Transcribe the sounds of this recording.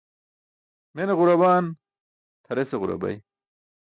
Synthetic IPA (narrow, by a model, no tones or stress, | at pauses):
meneʁuɾɐbaːn | t̪ʰɐɾeseɣuɾɐ̰bɐ̰j